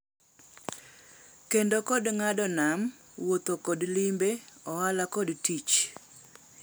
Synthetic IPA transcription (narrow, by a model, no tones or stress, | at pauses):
kendokɔdŋadɔnam | wot̪okɔdlimbeɔwalakɔdtit͡ʃ